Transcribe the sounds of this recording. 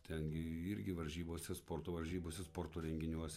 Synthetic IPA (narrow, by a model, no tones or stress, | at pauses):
t̪ʲɛŋɡʲɪɪɾʲɡʲɪʋɐɾʲʒʲiːboːsʲɛspoːɾt̪oːʋɐɾʲʒʲiːboːsʲɛspoːɾt̪oːɾʲɛŋʲɡʲɪnʲuɔsʲɛ